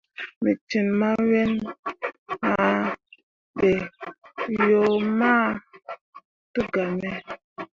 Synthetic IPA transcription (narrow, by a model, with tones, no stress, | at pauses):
mi˨t͡ʃi˨nma˦we˦n | ha˨ | ɓe˨ | jo˨˦ma˦ | tu˦ɡa˨mɛ˦